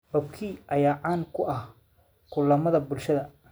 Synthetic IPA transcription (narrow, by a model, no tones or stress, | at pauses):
hɔb̚kʰiːʔɐjaːʕaːŋkʰʊʔɐh | kʰʊlɐmɐðɐbʊlʃɐðɐ